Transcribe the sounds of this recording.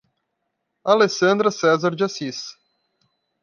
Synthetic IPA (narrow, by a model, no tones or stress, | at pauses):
alesɐ̃nd̪ɾɐsɛzaɾd͡ʒasis